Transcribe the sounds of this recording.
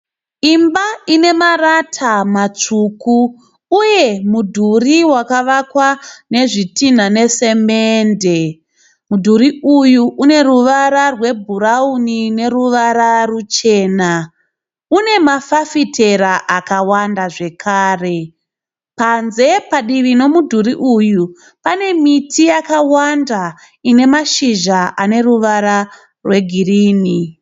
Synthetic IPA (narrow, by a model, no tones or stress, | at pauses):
imbaine̞maratʰamat͡ʂuku | uje̞mudʱuriwakaʋakwane̞ʐitin̤ane̞se̞mende̞ | mudʱuɾiujuʔune̞ɾuʋaɾarwe̞bʱuɾaunine̞ɾuʋaɾarut͡ʃe̞ːna | une̞mafafitʰe̞ɾaʔakawandaʐe̞kʰaːre̞ | panze̞paɗiʋino̞mudʱuɾiʔuju | pane̞mitʰijakawanda | ine̞maʃiʒaʔane̞ɾuʋaɾa | rwe̞ɡʱiriːni